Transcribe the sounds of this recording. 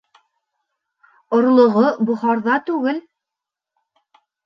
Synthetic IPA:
ŏɾlˠŏʁobuχɑɾðɑt̪ʉɡɘl

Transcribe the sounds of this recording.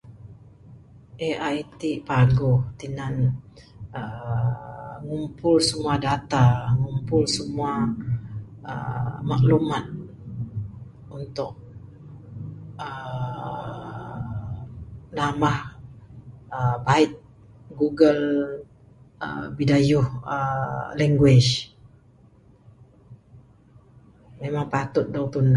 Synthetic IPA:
ʔeajt̪ipaɡʊht̪inan | ə | ŋumpʊlsəmuadat̪aŋumpʊlsəmua | ə̰maʔlumat̪̚ | unt̪ʊk̚ | ə | namah | əbaɪt̪̚ | ɡuɡəl | ə̰bidajʊhəlɛŋɡwɛʃ | memaŋpat̪ʊt̪̚dawt̪un

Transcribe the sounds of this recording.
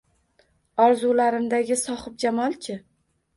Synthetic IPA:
ɒɾzulaɾɪmd̪aɡʲɪsɒχɪp̚d͡ʒamɒlˠt͡ʃʰɪ

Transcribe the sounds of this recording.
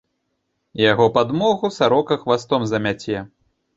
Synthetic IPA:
jaɣɔpad̪mɔɣusaɾɔkɐxvast̪ɔmzɐmʲat͡sʲɛ

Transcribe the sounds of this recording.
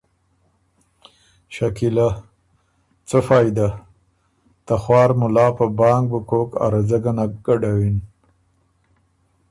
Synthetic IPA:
ʃakila | t͡səfɑːjd̪a | t̪axwɑːɾmʊlɑːpəbɑːŋɡ̚bukoka̰ɾazaɡanaɡ̥aɖawin

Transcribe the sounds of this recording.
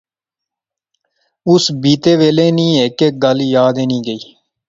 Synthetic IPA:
ʊsbiːt̪eːʋeːleːnĩːeːkeɡəljaːd̪eːnĩːɡəiː

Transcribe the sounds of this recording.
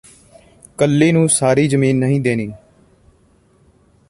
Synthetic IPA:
kəlːeːnũːsaːɾiːzəmiːnːəɦĩːd̪eːniː

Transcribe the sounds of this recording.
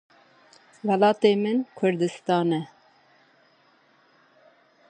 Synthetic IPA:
wɛlɑːt̪eːmɨnkʰʊɾd̪ɨst̪ɑːnɛ

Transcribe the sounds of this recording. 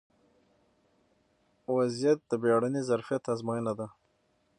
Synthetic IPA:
wazijat̪̚d̪əbeɽanizaɾfijat̪azmɑjənad̪a

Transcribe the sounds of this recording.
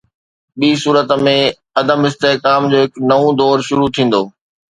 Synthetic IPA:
ɓiːsuːɾət̪mẽ | ɐd̪əmɪst̪eːkaːmd͡ʑoːɦɪknɐũd̪ɔːɾʃʊɾut̪ʰĩːn̆d̪oː

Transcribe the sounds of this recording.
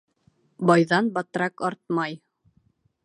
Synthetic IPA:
bɑjðɑnbɑt̪ɾɑkɒɾt̪̚mɑj

